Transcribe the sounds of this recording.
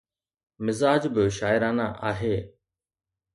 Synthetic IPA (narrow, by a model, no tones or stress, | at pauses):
mɪzaːd͡ʒbɪʃaːjɪɾaːnaːʔaːɦeː